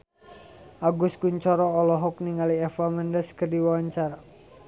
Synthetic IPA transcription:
ʔaɡʊskuɲt͡ʃɔɾɔːlɔɦɔk̚niŋaliɛfaməndəskərdiwawaɲt͡ʃara

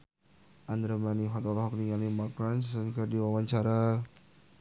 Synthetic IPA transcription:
ʔand̪ɾamaniɦɔt̪ɔlɦɔk̚niŋalimakɾanssənkərdiwawaɲt͡ʃaɾa

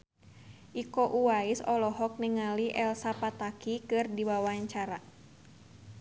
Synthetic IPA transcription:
ʔikoʔuwaisɔlɔɦɔk̚niŋaliʔɛlsapat̪akikɨrdiwawaɲt͡ʃaɾa

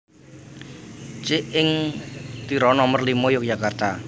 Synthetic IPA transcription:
t͡ʃɪʔɪŋt̪iɾɔnɔmərlimɔjɔk̚d͡ʒakart̪a

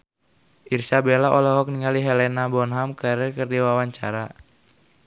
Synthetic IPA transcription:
ʔirsabelaʔɔlɔɦɔk̚niŋaliɦelɛnabɔnɦamkaɾəkərdiwawaɲt͡ʃaɾa

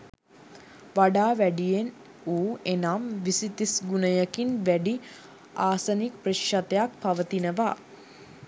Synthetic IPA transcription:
ʋaɖaːʋæɖijen | uːenamʋisit̪isɡunəjəkinʋæɖi | aːsɐnikprəʃʃat̪ɐjak̚paʋət̪inəʋa

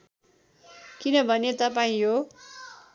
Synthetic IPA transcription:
kinʌbʱʌnet̪ʌpaĩɦo

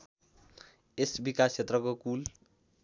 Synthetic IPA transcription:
esbikast͡ʃʰet̪rʌkokul

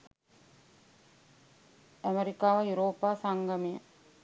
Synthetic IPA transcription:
æmeɾikaːʋəjuɾoːpaːsaŋɡɐmijə

